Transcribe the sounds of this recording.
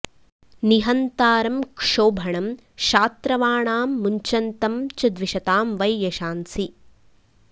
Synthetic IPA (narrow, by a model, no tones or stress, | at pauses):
niɦɐnt̪aːɾɐmkʂoːbʱɐɳɐm | ʃaːt̪ɾɐʋaːɳaːmːuɲt͡ʃɐnt̪ɐmt͡ʃɐd̪ʋiʃɐt̪aːmʋɐjjɐʃaːnsi